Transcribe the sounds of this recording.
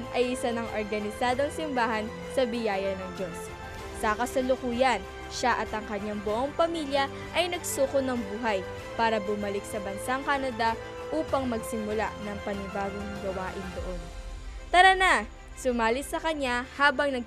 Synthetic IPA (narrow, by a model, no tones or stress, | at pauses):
nʔɐjʔɪsanɐŋʔoɾɡɐnɪsaːd̪oŋsɪmbaːɦɐn | sɐbɪjaːjɐnɐŋd͡ʒo̞sː | ɐkɐsɐlʊkuːjɐn | ʃaʔɐt̪ɐŋkɐɲaŋbʊʔo̞ŋpɐmiːljɐ | ʔɐjnɐɡ̚suːkonɐŋbuːɦɐj | paːɾɐbʊmɐlɪksɐbɐnsaŋkanɐd̪ɐ | ʔuːpɐŋmɐɡsɪmʊlaʔnɐŋpɐnɪbaːɡoŋɡɐwaːʔɪnd̪oʔo̞nt̪ɐɾɐna | sʊmaːlɪt̪sɐkɐɲahaːbɐŋnɐɡ̚